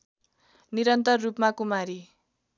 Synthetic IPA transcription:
niɾʌnt̪ʌrːupmakumaɾi

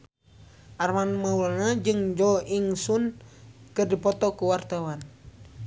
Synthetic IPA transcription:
ʔarmanmaulaŋad͡ʒɨŋd͡ʒɔiŋsunkɨrdipɔt̪ɔkuwart̪awan

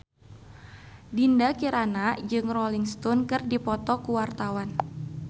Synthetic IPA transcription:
dindakiɾanad͡ʒɨŋrɔliŋst̪ɔnkɨrdipɔt̪ɔkuwart̪awan

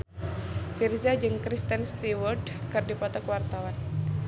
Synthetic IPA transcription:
firzad͡ʒɨŋkɾist̪ənst̪iwɔrdkɨrdipɔt̪ɔkwart̪awan

